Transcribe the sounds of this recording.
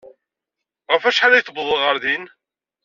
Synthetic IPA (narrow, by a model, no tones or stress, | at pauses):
ʁəfæʃħalæjθəbðˤəʁəɾðin